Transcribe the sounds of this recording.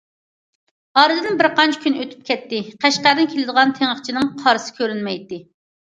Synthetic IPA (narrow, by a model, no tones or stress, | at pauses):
ɑɾɨd̪ɨnbɪɾqɑnt͡ʃʰi̥kʲʰynɨøt̪ʰy̥p̚kʲʰɛt̪ːɪqʰæʃqæɾɨnkʲʰelɪd̪əʁɑnt̪ʰeŋəχt͡ʃʰinɨŋqʰɑɾɨsɨ̥kʲʰøɾynmɛjt̪ɪ